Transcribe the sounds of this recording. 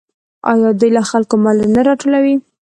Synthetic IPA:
ɑjɑd̪ujlaxalkomɑlanaɾɑʈolawi

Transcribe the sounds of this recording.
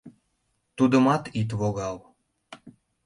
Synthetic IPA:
t̪ud̪əmɑt̪it̪̬βoɣɑl

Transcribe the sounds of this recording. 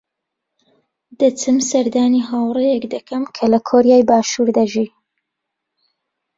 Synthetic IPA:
d̪̥ɐt͡sɨmsɐɾd̪aːniːɦaːwrejɛkd̪ɐkʰɐmkʰɐlɐkʰoɾijaːjbaːʃuːɾd̪ɐʒi

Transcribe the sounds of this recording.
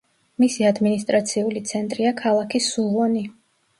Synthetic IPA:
misiad̪minist̪ʼɾat̪sʰiulit̪sʰɛnt̪ʼɾiakʰalˠakʰisuvɔni

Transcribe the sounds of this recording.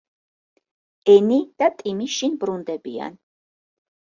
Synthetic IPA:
ɛnid̪̥at̪ʼimiʃinbɾund̪ɛbia̰n

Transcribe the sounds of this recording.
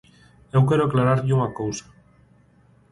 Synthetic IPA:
ewkɛɾoaklaɾaɾʎuŋakowsḁ

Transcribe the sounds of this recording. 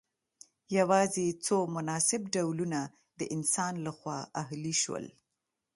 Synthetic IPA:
jawɑzet͡somʊnɑsɪbɖawluna | d̪əʔɪnsɑnlaxwɑʔaɦliʃwə̰l

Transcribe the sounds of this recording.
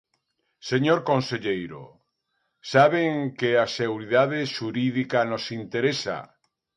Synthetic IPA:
seɲoɾkõnseʎejɾo̰ | saβeŋkeaseɣuɾiðað̞eʃuɾiðikanosint̪eɾesa̰

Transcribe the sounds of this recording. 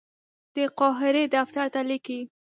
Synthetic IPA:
d̪̥əqɑɦɪɾed̪aft̪aɾt̪aliki

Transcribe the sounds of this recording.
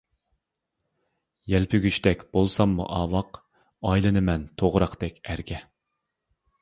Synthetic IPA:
jɛlpʰyɡʲyt͡ʃt̪ɛkʲb̥olˠsɑmːṵʔɑːwɑq | ɑjlˠɨnɨmɛnt̪ʰoʁɾɑqd̪ɛkʲæɾɡʲɛ

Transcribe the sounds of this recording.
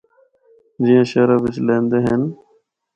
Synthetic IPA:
d͡ʒiːãːʃəɾaʋɪt͡ʃlẽːnd̪eːɦən

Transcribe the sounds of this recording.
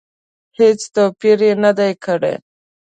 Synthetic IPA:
het͡st̪opiɾenad̪ajkəɽḛ

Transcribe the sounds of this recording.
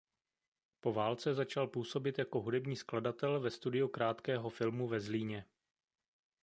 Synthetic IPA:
po̞vaːlt͡sɛzat͡ʃalpuːso̞bɪt̪jako̞ɦudɛbɲiːskladat̪ɛlvɛst̪udɪjukɾaːt̪kɛːɦo̞fɪlmuvɛzliːɲɛ

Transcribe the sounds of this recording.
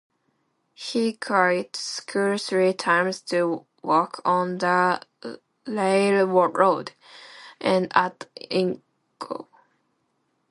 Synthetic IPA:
hikʰɹatskʰuɹsɹitʰãɪ̃mz̥tʰɨ | wɔkʰn̩ðə | leɪlwɔɹoʊd | ʔɨ̃natɪ̃ŋ | kʰo̰ʊ

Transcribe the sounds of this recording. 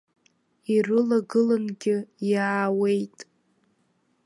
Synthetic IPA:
irɨlaɡɨlanɡʲɪjaːwe̞jtʼ

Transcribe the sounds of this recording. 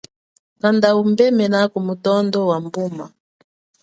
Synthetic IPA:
kandaumbɛmɛnakumutɔndɔwambuma̰

